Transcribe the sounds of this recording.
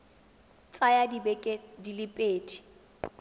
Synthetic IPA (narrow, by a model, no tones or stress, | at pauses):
t͡sʼajadibekʼedilɪpʼeːdi̥